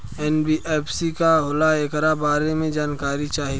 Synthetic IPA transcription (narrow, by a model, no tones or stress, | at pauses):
ɛːnbiʔeːpʰsikaɦʊlaekɾabaːɾemẽd͡ʒaːnkaːɾit͡ʃaːɦi